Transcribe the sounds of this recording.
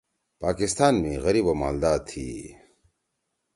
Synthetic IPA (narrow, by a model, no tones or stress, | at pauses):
paːkist̪aːnmẽɣɐɾiːboma̰ːld̪aːt̪ʰːḭ